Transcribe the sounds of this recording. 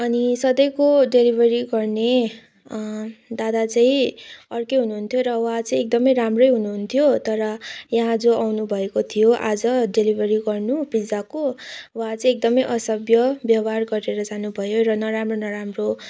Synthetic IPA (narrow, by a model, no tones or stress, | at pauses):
ʌnisʌd̪ʌjkoɖelibʱʌɾiɡʌrne | d̪ad̪at͡saĩʌrkeɦunuɦunt̪ʰjoɾʌwɦãt͡sʌĩek̚d̪ʌmʌjɾamrʌjɦunuɦunt̪ʰijot̪ʌɾʌjaɦãd͡zoawnubʱʌekot̪ʰijoʔad͡zʌɖelibʱʌɾiɡʌrnubid͡zakowɦat͡sʌĩek̚d̪ʌmʌjʔʌsʌbjʌbjʌwɦarɡʌɾeɾʌd͡zanubʱʌjoɾʌnʌɾamronʌɾamro